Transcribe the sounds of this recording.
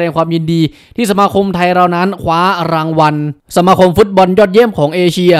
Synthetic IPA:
ɛː˧ŋkʰwaː˧mji˧ndiː˧ | t̪ʰiː˥˩sa˧maː˧kʰo˧mt̪ʰa˧jɾa˧wna˦˥nkʰwaː˦˥ɾaː˧ŋwa˧nsa˧maː˧kʰo˧mfu˦˥t̪̚bɔ˧njɔː˥˩t̪̚je˥˩mkʰɔː˩˦ŋʔeː˧t͡ɕʰi˧ɐ

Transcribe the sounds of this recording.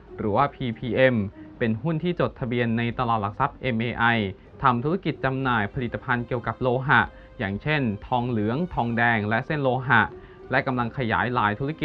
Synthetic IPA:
ɾɯː˩˦waː˥˩pʰiː˧pʰiː˧ʔe˧mpe˧nɦu˥˩nt̪ʰiː˥˩t͡ɕo˨˩t̪ʰːa˧bi˧ənːa˧jt̪a˧laː˨˩t̪̚la˨˩k̚sa˦˥p̚ʔe˧mʔeː˧ʔa˧j | t̪ʰa˧mt̪ʰu˦˥a˦˥ki˨˩t̪̚t͡ɕa˧mnaː˨˩jpʰa˧li˨˩t̪ːḁ˧pʰa˧nki˨˩əwka˨˩p̚loː˧ɦa˨˩ʔ | jaː˨˩ŋt͡ɕʰe˥˩nt̪ʰɔː˧ŋlɯ˩˦əŋt̪ʰɔː˧ŋdɛː˧ŋlɛ˦˥se˥˩nloː˧ɦa˨˩ʔ | lɛ˦˥ka˧mla˧ŋkʰa˧ja̰ː˩˦jla̰ː˩˦jt̪ʰuː˦˥ɾa˦˥ki˨˩

